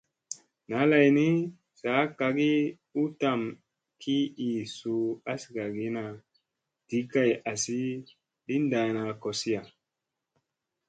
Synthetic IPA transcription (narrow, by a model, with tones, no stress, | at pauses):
na˨˦la˨jni˦ | sa˨˦ka˧ɡi˦ | u˦ta˦˨m | kʰi˦i˨su˧a˦sɡa˨ɡi˦na˨ | d̥i˨˦ka˦˨ja˨si˦ | ɗi˦nda˨na˧ko˨si˦ja˨